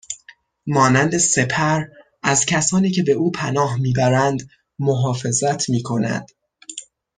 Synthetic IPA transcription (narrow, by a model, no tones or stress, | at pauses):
mɒːnænd̪ese̞pʰæɾ | æzcʰæsɒːniːcʰe̞be̞uːpʰænɒːɦmiːbæɾænd̪ | mo̞ɦɒːfe̞zæt̪ʰmiːkʰo̞næ̰nd̪̥